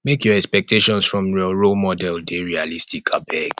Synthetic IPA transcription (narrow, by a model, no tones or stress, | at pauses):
mekjɔɛkspɛk̚tʰeʃɔ̃nsfɹɔ̃mɹiɔɹomɔdɛldeɹialistʰikʰabɛɡ